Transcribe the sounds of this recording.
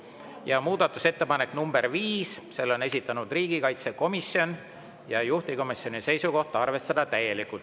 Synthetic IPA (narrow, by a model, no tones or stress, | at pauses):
jɑmuːd̪̥ɑt̪ːˑuse̞t̪ːe̞pɑne̞kːˑnumb̥e̞ɾviːsse̞lːo̞nes̬ʲit̪ːˑɑnud̪riːɡ̥ikɑjt̪seko̞misjo̞n | jɑjuht̪iko̞misjo̞nise̞jsuko̞ht̪ɑɑrve̞st̪ɑd̪̥ɑt̪æje̞likult̪